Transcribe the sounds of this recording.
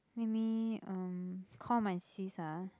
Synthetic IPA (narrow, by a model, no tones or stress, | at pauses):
lɛmiə̃mkʰɔ̃mãnsisa